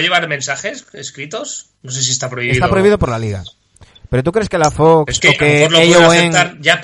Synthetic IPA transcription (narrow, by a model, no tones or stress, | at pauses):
ʎeβaɾmẽnsaxeseskɾit̪os | noses̬iest̪apɾoiβesiðt̪apɾoiβiðopo̞ɾlaliɣa̰ | pe̞ɾot̪ukɾe̞skelafokkeokeoloejoeŋaɾʝap